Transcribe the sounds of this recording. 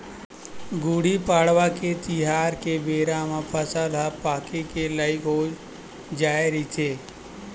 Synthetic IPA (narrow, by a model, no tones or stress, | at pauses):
ɡuːɽipaːɽʋaket̪ɪɦaːɾkebeːɾamãpʰəsalapaːkikelaɪkoː | d͡ʒaːeɾit͡ʃʰeː